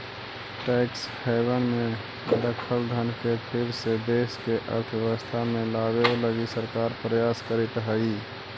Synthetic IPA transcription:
ʈɛːksheɪwənmẽ | ɾəkʰəlɡʱənkepʰɪɾsed̪eːskeʔə̰ɾt̪ʰjeəst̪ʰamẽlaːbeləɡisəɾkaːɾpɾəjaːskəɾit̪ɦəi

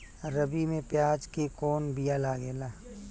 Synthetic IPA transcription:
ɾəbimẽpjaːd͡ʒkekoːnbijalaːɡeːlaː

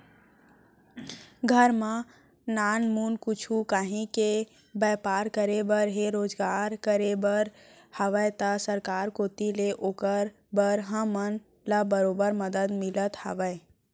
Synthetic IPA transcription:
ɡʱəɾmã | naːnmunkʊt͡ʃʰukaːɦĩke | bəːpaːɾkəɾebəɾɦeɾoːd͡ʒɡaːɾkəɾebəɾ | həʋəjt̪əsəɾkaːɾkot̪ileʔoːkəɾ | bəɾɦə̃mən | labəɾoːbəɾməd̪əd̪mɪlət̪hə̰ʋəj

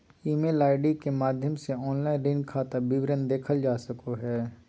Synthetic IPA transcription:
iːmeːlaːɪɖikemaːd̪ʱjəmseɔːnlaːɪnɾɪnkʰaːt̪abɪʋɾənd̪eːkʰəld͡ʒaːsəkoɦɛː

